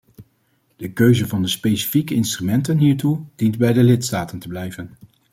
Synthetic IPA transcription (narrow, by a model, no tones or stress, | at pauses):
d̥əkøɥzəvɑndəspejsi̥fikəɪnstrymɛntənɦiːɹtud̥intbɛjdəlɪtstaːtəntəblɛjvən